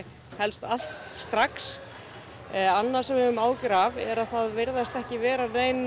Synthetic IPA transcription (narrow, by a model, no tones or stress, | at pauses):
hɛlst̪al̥t̪st̪ɾaks | anːḁsɛmɪʏmaːwcɪɾavɛɾaðθaðvɪɾðast̪ɛhcɪvɛːɾaneːjn